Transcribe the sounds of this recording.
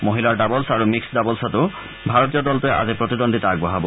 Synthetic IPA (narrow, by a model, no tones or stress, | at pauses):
moɦilaɹdabɔlsaɹumiksdabɔlsɔtʊ | bʱaɹɔtijɔdɔltʊɛʔa̰zepɹot̪idondʱitaaɡbɔɦabɔ